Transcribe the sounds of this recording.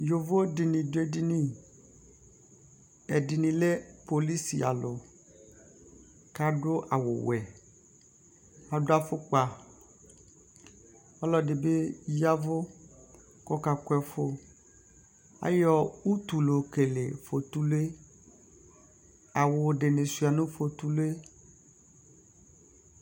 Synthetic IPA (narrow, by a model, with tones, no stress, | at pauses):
jo˨vo˦dɪ˨nĩ˨dʊ˦e˦di˦nĩ˦ | ɛ˨dɪ˨nĩ˨le˦po˨li˦sḭ˨a̰˨lʊ˨ | ka˦ɖʊ˦ʔa˨wʊ̰˨wɛ˨ | a˨dʊ˦a˦fʊ˦k͡pa˨ | ɔ˦lɔ˦dɪ˨be˦ja˦vʊ˦ | kɔ˦ka˨kɛ˦fo˦ | a̰˦jɔ˦˨u˦t̪u˨lo˨ke˨le˨fo˨t̪u˦le˦ | a˨wʊ˨ɖe˨ne˨su˨a˨nũ˦fo˨t̪u˦lo˦e˦